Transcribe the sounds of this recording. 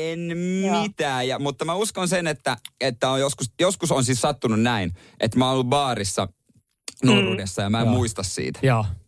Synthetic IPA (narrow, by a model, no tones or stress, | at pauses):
enmit̪æːjjɑmut̪ːɑmæuskonsenet̪ːæet̪ːæojjoskusjoskusonsissɑt̪ːununnæin | ʔet̪mæonolːubɑːrisːɑ̰ | nuirudesːɑjɑmæemmuist̪ɑssḭːt̪æ̥jɑː